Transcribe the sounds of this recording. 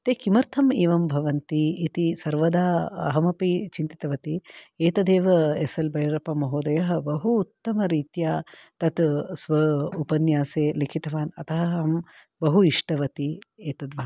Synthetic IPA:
t̪eːkimɐɾt̪ʰɐmiːʋɐmbʱɐʋɐnt̪iːt̪isɐɾʋɐd̪aːɐ̰ɦɐmɐpit͡ʃint̪i̥t̪ɐʋɐt̪ieːt̪ɐd̪eːʋɐesɐlbɐjɾɐpɐmɐɦoːd̪ɐjɐɦɐ̆bɐɦuːt̪ːɐmɐɾiːt̪jaːt̪ɐt̪sʋɐupɐnjaːseːlikʰit̪ɐʋaːnɐ̰t̪ɐɦɐɦɐm | bɐɦuiʂʈɐʋɐt̪ieːt̪ɐd̪ʋaː

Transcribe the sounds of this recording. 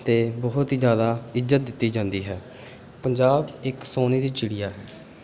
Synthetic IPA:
t̪eːbɔːʊt̪iːzjaːd̪aːɪzːət̪̚d̪ɪt̪ːiːd͡ʒãːnd̪iːɦɛː | pəɲd͡ʒaːbɪksoːneːd̪iːt͡ʃɪɽijaːɦɛː

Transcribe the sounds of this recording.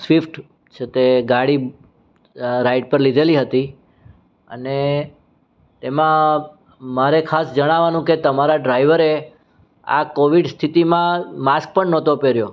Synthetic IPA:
sʋifʈ | t͡ʃʰet̪eɡaɽi | ɾaiʈ̚pəɾlid̪ʱeliɦət̪i | ə̰ne | t̪emã | maɾekʰasd͡ʒəɽ̃aʋanũket̪əmaɾaɖɾaiʋəɾe | a̰koʋiɖst̪ʰit̪imãmask̚pəɳnɔt̪opeɾjo

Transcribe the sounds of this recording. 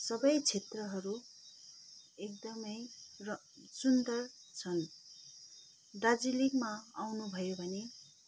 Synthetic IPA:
sʌbʌjt͡sʰet̪rʌɦʌɾu | ek̚d̪ʌmʌjrʌ | sund̪ʌrt͡sʰʌn | d̪ad͡zilikmaawnubʱʌjobʱʌne

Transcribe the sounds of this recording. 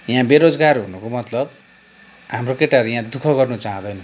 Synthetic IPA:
jãbeɾod͡zɡarɦunukomʌt̪lʌb | hamrokeʈaɾujãd̪ukʰʌɡʌrnut͡saɦʌ̃d̪ʌjnʌ

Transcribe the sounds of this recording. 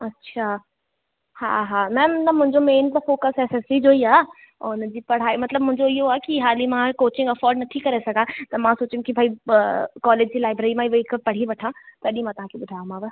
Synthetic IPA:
ɐtːɕʰa | ha̰ɦamɛ̃ːnɐmʊ̃ɦɪ̃ɲd͡ʑomeːnt̪ɐfoːkəsɛːsɛsid͡ʑoːiaː | ʊnd͡ʑiːpɐɽ̤aːimɐt̪ləbmʊ̃ɦɪ̃ɲd͡ʑoɪɦoaːkiɦaːlimãkoːt͡ɕɪ̃ŋɡɐfɔːɾɖnɐt̪ʰikɐɾesɐɡʱãt̪ɐmãsoːt͡ɕjũkibʱaːikɔːleːd͡ʑd͡ʑiːlaːɪbɾeːɾimãɪʋoɪkpɐɽ̤iʋɐʈʰãːt̪ɐɗĩmãt̪ɐɦãːkʰiɓʊd̪ʱaːũmãʋə

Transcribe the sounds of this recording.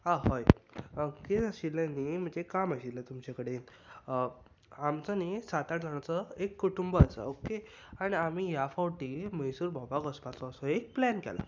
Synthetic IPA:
aɦɔj | keaɕilːanim̤əɳd͡ʑekamaɕilːat̪umt͡ɕakəɽe | amt͡sənisat̪aʈd͡zʱaɳ̃at͡səekːuʈumbəasə̰oke | aɽ̃iamijafawʈiːməjsuːɾbʱɔbakəspat͡sɔːsɔek̚plænkɛ̰la̰

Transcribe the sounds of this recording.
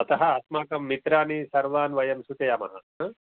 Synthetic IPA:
ɐt̪ɐɦɐ̆ɐt̪maːkɐmːit̪ɾaːnisɐɾʋaːnʋɐjɐmsut̪ɐjɐmɐ̰ɦɐ

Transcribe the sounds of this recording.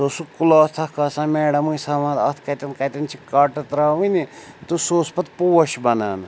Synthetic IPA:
soːsukuloːst̪ʰɐkasãːmeːɖɐmujsɐmãːd̪ɐt̪ʰkɐt̪ɐnkɐt̪int͡ʃʰikɐʈɐt̪ɾaːunit̪usoːspɐt̪puːɐʃbɐna̰ːn

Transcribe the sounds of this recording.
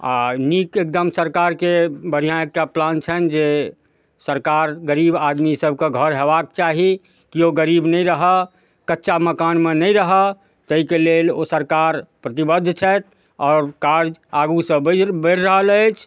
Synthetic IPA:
a̰nikek̚d̪əmsəɾkaɾkebəɽ̤ijãek̚ʈaplant͡ʃʰənd͡ʒe | səɾkaɾɡəɾibad̪misəb̚ʱkeɡʱəɾɦebak̚t͡ʃaɦi | kioɡəɾibnɛiɾəɦə | kətːʃaməkanmenəiɾəɦə | t̪əɦikelelosəɾkaɾpɾət̪ibəd̪ʱːt͡ʃʰɛt̪̚ | ɔːɾkaɾd͡ʒaɡusə̃bbəɾːəɦələɪt͡ʃʰ

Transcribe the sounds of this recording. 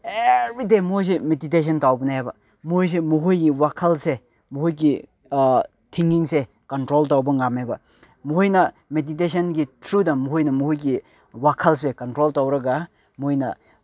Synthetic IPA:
ebidemuhojs̬emedites̬ʰɐntawbɐnajabɐ | muhojs̬emuɦojɡiwakʰɐlse | muhojɡi | tʰiŋɡiŋse | kɐntɾoltawbɐŋamebɐ | muhojnɐ | medit̬es̬ɐnɡitʰɾudɐmuɦhojnɐmuhojɡi | wakʰɐls̬ekɐntɾoltawɾɐɡa | muhojnɐ

